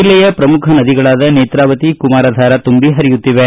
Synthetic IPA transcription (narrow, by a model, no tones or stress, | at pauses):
ilːɛjɐpɾɐmukʰɐnɐd̪iɡɐɭaːd̪ɐneːt̪ɾaːʋɐt̪ikumaːɾɐd̪ʱaːɾɐt̪umbiɦɐɾijut̪ːiʋe